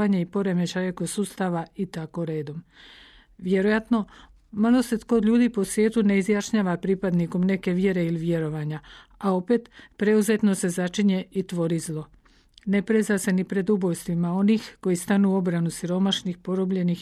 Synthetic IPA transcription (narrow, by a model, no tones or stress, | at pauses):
aɲeipo̞ɾe̞me̞t͡ʃajeko̞suːst̪aʋait̪ako̞ɾe̞ːd̪o̞m | ʋje̞ɾojat̪no̞ | malo̞set̪ko̞d̪ʎʲuːd̪ipo̞sʋje̞ːt̪une̞izjaʃɲaːʋapɾipad̪niko̞mne̞ke̞ʋje̞ɾe̞iliʋje̞ɾo̞ʋaɲaao̞pe̞t̪pɾe̞uze̞t̪no̞se̞zat͡ʃiɲe̞it̪ʋo̞ɾizlˠo̞ | ne̞pɾezase̞nipɾe̞d̪ubo̞jst̪ʋimao̞niːxko̞jist̪anuo̞bɾanusiɾo̞maʃnixpo̞ɾobʎe̞nix